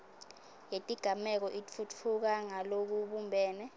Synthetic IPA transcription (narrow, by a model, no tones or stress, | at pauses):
jetʼiɡ̥ʱamɛk̬ɔʔitfut͡fʰuk̬aŋalok̬uɓumbʱɛːnɛ